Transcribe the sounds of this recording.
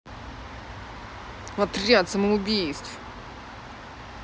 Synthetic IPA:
vɐt̪rʲat̪səməʊbʲijst̪f

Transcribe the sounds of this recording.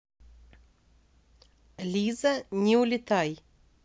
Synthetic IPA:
lʲizənʲɪʊlʲɪt̪aj

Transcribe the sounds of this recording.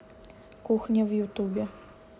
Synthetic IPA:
kuxnʲɐwjut̪ubʲɛ

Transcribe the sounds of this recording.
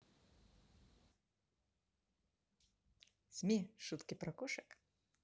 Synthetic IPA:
z̥ʲmʲiʃut̪kʲipɾɐkɔʂɨk

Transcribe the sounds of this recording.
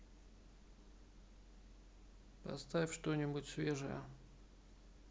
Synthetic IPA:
pɐ̰st̪avʲfʲʂt̪onʲɪbʊtʲsvʲeʐɨjə̰

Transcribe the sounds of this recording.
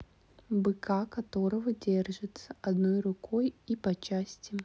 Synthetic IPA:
bɨkʰakɐt̪o̞ɾəvədʲerʐɨt̪səʔɐd̪nojrʊkʰojipɐt͡ɕasʲtʲɪ

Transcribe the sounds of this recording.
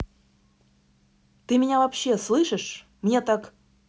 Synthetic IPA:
t̪ɨmʲɪnʲavɐpɕːeslˠɨʂəʂ | mnʲet̪ɑk

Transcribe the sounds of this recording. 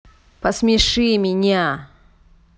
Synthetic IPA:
pəsmʲɪʂɨmʲɪnʲa

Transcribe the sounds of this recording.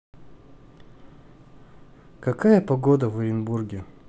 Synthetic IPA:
kɐkajəpɐɡod̪əvɨɾʲɪnburɡʲɪ

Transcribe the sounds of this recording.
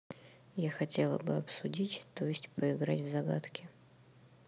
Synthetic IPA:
jaxɐtʲe̞lˠə̰bɨɐpsʊdʲitʲt̪ojɪsʲtʲpəɪɡɾatʲvzɐɡa̰t̪kʲɪ

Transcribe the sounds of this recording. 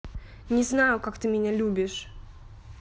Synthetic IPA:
nʲɪznajʊkakt̪ɨmʲɪnʲalʲubʲɪʂ

